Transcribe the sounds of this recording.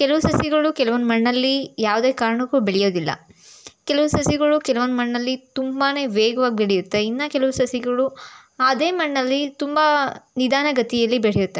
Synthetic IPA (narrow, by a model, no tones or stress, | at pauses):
kɛlɐʋusɐsjiɡɐɭukɛlɐʋond̪mɐɳːɐlːijaːʋd̪eːkaːɾɐɳɐkːuːbeɭijo̞ːd̪ilːɐ̰kɛlɐʋusɐsiɡɐɭukɛlɐʋond̪mɐɳːɐlːit̪umbaːne̞ːʋeːɡɐʋaːɡibeɽijut̪ːe̞inːɐkɛlɐʋusɐsiɡɐɭu | ad̪e̞ːmɐɳːɐlːit̪umbanid̪ʱaːnɐɡɐt̪ijɐlːibeɽijut̪ːe